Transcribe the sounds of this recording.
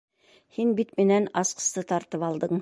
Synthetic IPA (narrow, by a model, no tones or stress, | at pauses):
hinbit̪mɘ̆nænɑsqɤ̥̆st̪ɤt̪ɑɾt̪ɤpɑlˠd̪ɤɴ